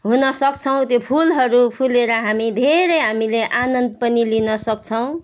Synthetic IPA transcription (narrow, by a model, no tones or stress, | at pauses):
ɦunʌsʌkt͡sʰʌw̃t̪jopʰulɦʌɾupʰuleɾʌɦamid̪ʱeɾʌɦamileʔanʌnd̪̚pʌnilinʌsʌk̚t͡sʰʌw̃